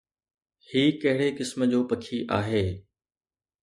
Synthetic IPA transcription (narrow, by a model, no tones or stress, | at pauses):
hiːkɐɦɪɽekɪsməd͡ʑoːpɐkʰiʔaːɦeː